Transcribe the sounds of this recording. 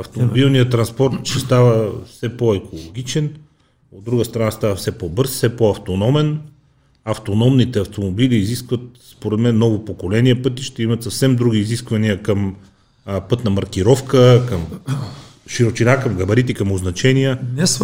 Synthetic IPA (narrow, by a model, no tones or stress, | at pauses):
ɐft̪omobilˠnijət̪ɾɐnspɔɾt̪ʃɛst̪avəfsɛpoɛkʰolˠoɡ̟ʲit͡ʃɛn | od̪ːɾuɡəst̪ɾɐnast̪avɐfsɛpɔbɤɾsfsɛpoɐft̪onɔmɛn | ɐft̪onɔmnit̪ɛɐft̪omobiliːziskvət̪̚spoɾɛd̪mɛnːɔvopokolɛniɛpɤt̪̬iʃt̪ɛimɐt̪sɐfsɛmd̪ɾuɡ̟iːziskvɐniəkəm | pɤt̪nɐmɐɾkiɾɔfkəkɐm | ʃiɾot͡ʃinakɐmɡɐbɐɾit̪ikɐmoznɐt͡ʃɛniəɛ